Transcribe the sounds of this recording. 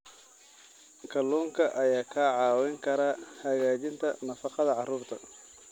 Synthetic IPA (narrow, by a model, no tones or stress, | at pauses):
kʰɐluːŋkʰɐʔɐjaːkʰɐʕɑːwɛŋkʰɐɾɐhɐɣaːt͡ʃɪnt̪ʰɐnɐfɑqɑðɐʕɑruːrt̪ʰɐ